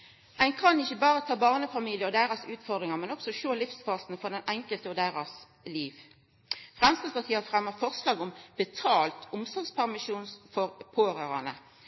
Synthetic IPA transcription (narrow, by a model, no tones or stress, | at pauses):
ʔæɪnkʰɑnɪçəbɑːʁət̪ʰɑːbɑːʁnəfɑmiːlɪəɔd̪æːʁɑsʉːt̪fɔʁd̪ʁɪŋɑmɛnɔɡ̥sɔʃoːlɪfsfɑːsnfɔʁd̪ɛnɛŋkəlt̪əɔd̪æːʁɑs | liːʋ | fʁɛmsd̪ɑspɑʁt̪ʰiːəfʁɛmːəʁfɔʁslɑːɡʊmbət̪ʰɑːlt̪ʊmsɔʁɡspʰæʁmɪʃuːnsfɔʁpʰoːʁəʁɑ̰nə̰